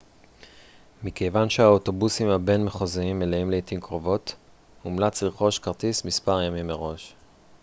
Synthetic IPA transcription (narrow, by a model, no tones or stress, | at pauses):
mikejvanʃeaoto̞busimhabe̞nmeχoziimːeleimleitimkʁovo̞t | umlat͡sliχo̞ʃkaʁt̪ismispaʁjamimːeʁo̞ʃ